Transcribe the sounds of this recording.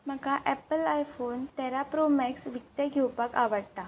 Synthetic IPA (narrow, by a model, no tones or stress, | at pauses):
m̤əkaʔɛpəlajfoːnt̪ɛɾapɾomɛksʋik̚t̪əɡʱewpakaʋəɽt̪a